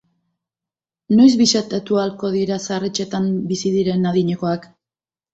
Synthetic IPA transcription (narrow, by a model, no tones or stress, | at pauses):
no̞jzβiʃat̪at̪ualko̞ðiɾasaret͡ʃe̞t̪ambisiðiɾe̞naðiɲe̞ko̞ak